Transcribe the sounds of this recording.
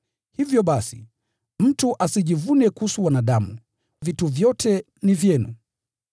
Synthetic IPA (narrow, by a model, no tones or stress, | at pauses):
hivjɔɓasḭ | m̩tuʔasiʄivunɛkuhusuwanaɗamu | vituvjɔtɛ | nivjɛnṵ